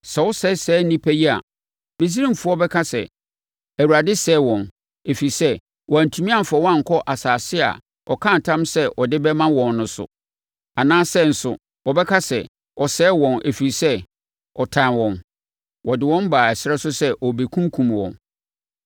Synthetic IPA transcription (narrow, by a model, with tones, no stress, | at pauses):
sɛ˨wʊ˦sɛ˦sɛː˨˦nĩ˦pʰæ˦ji˦a̰˨ | mẽ˨s̬i˦ɾĩ˦m˨fʊ˦ɔ˦bɛ˦kʰa˦sɛ̰˨ | æ˨wu˨ɾa˨dɪ˦sɛː˨˦wɔ̃˨n | e˨fi˨i˨sɛ˦ | wɔ˨æ˨n̩˨tʰũ˨mĩ˦ã˦˨fa˨wã˦˨ŋ̩˨kʰɔ˦ʔa˨saː˨sɪ˦a̰˨ | ɔ˨kʰã˦˨n˨tʰã˦msɛ˦ʔɔ˨dɪ˦bɛ˦mã˦wɔ̃˨nːʊ̃˨sʊ̰˨ | a˨nãː˦sɛ˦n̩˨sʊ̰˨ | wɔ˨bɛ˦kʰa˦sɛ̰˨ | ɔ˨sɛː˦wɔ̃˨nʔe˨fi˨ɾi˨sɛ˦ | ɔ˨tʰã˨wɔ̃˨n | wɔ˨dɪ˨wɔ̃˦mbaː˨æ˨sɪ˦ɾɛ˦sʊ˦sɛ˦ʔɔ˨be˨kʰũ˦ŋ˦kʰũ˨mwɔ̰̃˨n